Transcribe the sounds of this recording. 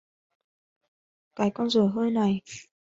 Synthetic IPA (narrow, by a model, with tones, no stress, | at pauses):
kaː˨˦jkɔ˧nzə˨˩ɦəː˧jna˨˩j